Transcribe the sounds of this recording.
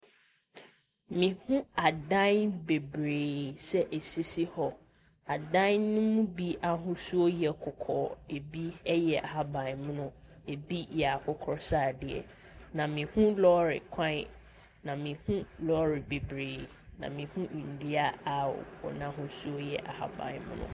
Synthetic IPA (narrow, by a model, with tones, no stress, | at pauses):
mĩ˨hũ˦a˨dã˦nbe˨bɾeː˨sɛ˦ʔɛ˨si˦si˦hɔ˨ | a˨dã˦nːʊ̃˦mũ˦bi˦ʔa˨ɦʊ̃˦su˦o˦jɛ˨kʰʊ˨kʰɔ̰ː˨e˨bi˦ɛ˦jɛ˨ʔa˦bã˨m̃˦nʊ̃˦ | e˨bi˦jɛ˨a˨kʰʊ˦kʰɔ˦ɾsa˦˨dɪ˨ɛ̰˨ | nã˨mĩ˨hũ˦lɔ˦ɾɪ̰˨kʷʰã˦ɪ˦ | nã˨mĩ˨hũ˦lɔ˦ɾɪ˨be˨bɾeː˨ | nã̰˨mĩ˨hũ˦˨n̩˨di˦a˦a̰˨ɔ̰˨nã˦ɦʊ̃˦su˦o˦jɛ˨ʔa̰˨ha̰˨bã̰˨mʊ̰̃˦nʊ̰̃˨